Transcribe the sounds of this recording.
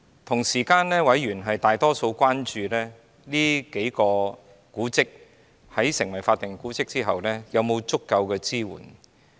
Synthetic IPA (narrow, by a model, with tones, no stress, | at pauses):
t̪ʰʊ˨˩ŋsiː˨˩kaː˧nlɛː˥wɐ˨˥jɥyː˨˩nɦɐ˨jt̪aː˨jt̪ɔː˥so˧wkʷaː˥nt͡ʃyː˨˧lɛː˥ | liː˥ke˨˥jkɔː˧ | kuː˨˥t͡sɪ˥k̚ | hɐ˨˥jsɪ˨ŋwɐ˨˩jfaː˧t̪̚ːɪ˨˩ŋkuː˨˥t͡sɪ˥k̚t͡siː˥ɦɐ˨wlɛː˥jɐ˨˧wmo˨˧wt͡sʊ˥kːɐ˧wkɛː˧t͡siː˥wṵː˨˩n